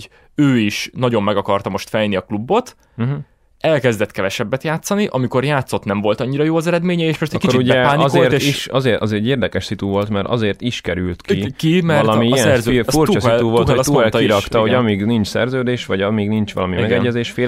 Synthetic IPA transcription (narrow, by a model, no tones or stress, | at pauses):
øːiʃnɒɟo̞mːɛɡɒkɒrt̪ɒmo̞ʃt̪fɛjniɒklubːo̞t̪̩ | ɦ | ɛlkɛzd̪ɛt̪kɛvɛʃɛbːɛt̪jaːt̪sːɒniʔɒmiko̞rjaːt̪so̞t̪nɛɱvo̞lt̪ɒɲːiɾɒjoːɒzɛɾɛd̪meːɲɛeːʃpɛst̪ːkikot͡ʃiuɟbɛɛaːniɒzelːrt̪eːiʃɒzeɒzeːɟeːrd̪ɛkɛʃsit̪uvo̞lt̪mɛɾɒ̰zeːrt̪iʃkɛɾylt̪kikimɛɒtlɒmiɛɛzøurt͡ʃːɒsit̪uvolt̪ut̪kiɾɒkt̪ɒɦoɟɒmiɡnint͡ʃsɛrzøːd̪eːʃʋɒɟɒmiɡnint͡ʃʋɒ̰lɒmimɛɛɡɛɟːɛzeːʃfeː